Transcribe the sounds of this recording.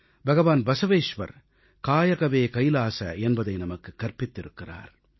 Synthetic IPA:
bʱɐɣɐʋaːnbɐsɐʋeːʃʋɐ̰ɾ | kaːjɐɣɐʋeːkɐjlaːsɐ̰ɛnbɐðɐɪnɐmɐkːɯkːɐɾpɪt̪ːɪɾɯkːɪra̰ːɾ

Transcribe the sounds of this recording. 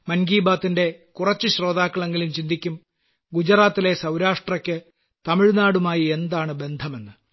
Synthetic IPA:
mɐnɡiːbaːt̪ːinde̞kurɐt͡ɕːɨɕro̞ːd̪aːkːɐɭe̞ŋɡilumt͡ɕind̪ʱikʲːum | ɡud͡ʑɐraːt̪ːile̞sɐwɾaːʂʈrɐkʲːɨ | t̪ɐmiɻnaːɽumaːjie̞nd̪aːɳɨbe̞nd̪ʱɐme̞nːɨ

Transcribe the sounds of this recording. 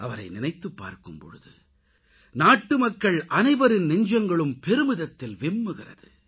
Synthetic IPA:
ʔɐʋɐɾɐɪnɪnɐɪt̪ːɯpːa̰ːɾkɯmpɔ̰ɻɯ̰ðɯ̰ | naːʈːɯmɐkːɐɭʔɐnɐɪʋɐɾɪnnɪɲd͡ʒɐŋɡɐɭɯmpɛɾɯmɪðɐt̪ːɪlʋɪmːɯɣɪrɐ̰ðɯ

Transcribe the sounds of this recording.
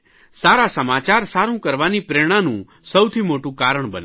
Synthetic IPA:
saːɾasəmaːt͡ʃaːɾsaːɾũkəɾʋaːnipɾeːɽ̃ãnṵ̃ | səwt̪ʰiːmoːʈũkaːɾəɽ̃bə̰n

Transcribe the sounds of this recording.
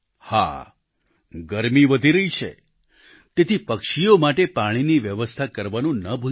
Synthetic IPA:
ha̰ | ɡəɾmiʋəd̪ʱiɾəɦit͡ʃʰḛ | t̪et̪ʰipəkʃijomaʈepaɽ̃iniʋjəʋəst̪ʰakəɾʋanũnəbʱu

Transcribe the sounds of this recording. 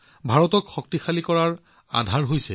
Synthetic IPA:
bʱaɹɔtɔkxɔk̚tixalikɔɹaɹ | a̰dʱaɹɦojsɛ

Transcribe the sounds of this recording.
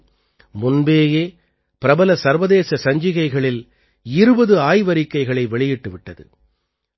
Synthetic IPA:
mʊnbeːjeː | pɪɾɐbɐlɐsɐɾʋɐðeːsɐsɐɲd͡ʒɪɣɐɪɣɐɭɪl | ɪɾɯbɐðɯaːjʋɐɾɪkːɐɪɣɐɭɐɪʋɛɭɪjɪʈːɯʋɪʈːɐðɯ̰

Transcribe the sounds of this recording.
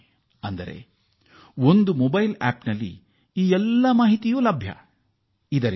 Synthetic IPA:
ɐnd̪ɐɾe̞̰ | o̞nd̪umobɐjla̰ːpnɐlːḭ | iːɛlːɐmaːɦit̪ijuːlɐbʱjɐ̰ | id̪ɐɾ

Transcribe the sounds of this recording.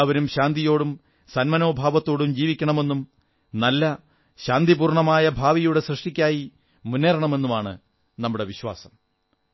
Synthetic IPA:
ʋɐɾumɕaːnd̪ijo̞ːɽum | sɐnmɐno̞ːbʱaːʋɐt̪ːo̞ːɽumd͡ʑiːʋikʲːɐɳɐme̞nːum | nɐlːɐ | ɕaːnd̪ibuːrɳɐmaːjɐbʱaːʋijuɽe̞srɨʂʈikʲːaːji | munːeːɾɐɳɐme̞nːumaːɳɨ̰ | nɐmːuɽe̞ʋiɕwa̰ːsɐm

